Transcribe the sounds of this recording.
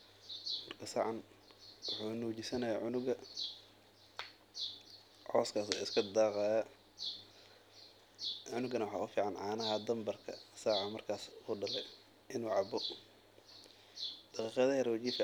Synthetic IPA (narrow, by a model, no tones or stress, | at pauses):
mɐrkʰɐsaːʕɑn | wʊħuːnuːt͡ʃɪsɐnɐjaːʕʊnʊɡɐ | ʕɔːskʰaːsɔːɪskʰɐd̪ɑːqɑːjɐ | ʕʊnʊɡɐnɐwɑħɑ̰ːʊfiːʕɑnʕɑːnɐɦɐd̪ɐmbɐrkʰɐ̰saːʕɑmɐrkʰaːsuːɖɐlɛj | ʔɪnuːʕɑbɔ | d̪̥ɑqiːqɑðɐjɐɾwɐt͡ʃiːf